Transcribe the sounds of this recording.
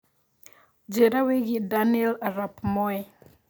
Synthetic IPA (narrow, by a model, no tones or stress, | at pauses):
d͡ʒɛɾaweɣidaniɛlaɾapmɔɛ